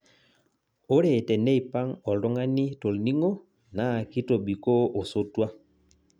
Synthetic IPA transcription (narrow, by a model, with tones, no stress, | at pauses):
o˦ɾɛ˨tɛ˨nɛ˦i˨pa˦ŋɔ˨lɔ˦ŋa˦ni˦to˨lni˦ŋo˦ | na˦˨ki˦to˨ɓi˨ko˦o˨so˦twa˦